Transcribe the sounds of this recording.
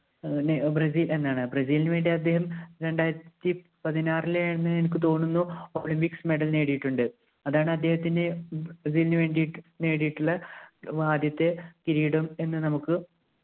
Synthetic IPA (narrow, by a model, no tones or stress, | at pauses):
brɐs̬iːle̞nːaːɳɨbrɐsiːlnʋe̞ːɳɖiɐd̪ːe̞ːɦɐmɾe̞ɳɖaːjiɾɐt̪ːi | pɐðinaːrileɳnːɨenikːɨt̪o̞ːnːunːuoːɭimpiksme̞ɽɐlne̞ːɽijiʈːuɳɖɨ | ɐðaːɳɨɐd̪ːe̞ːhɐt̪ːindeɐs̬iːlnɨʋe̞ːɳɖijiʈːne̞ːɽijiʈːuɭːɐʋaːd̪jɐt̪ːe̞kiɾiːɽome̞nːɨnɐmukːɨ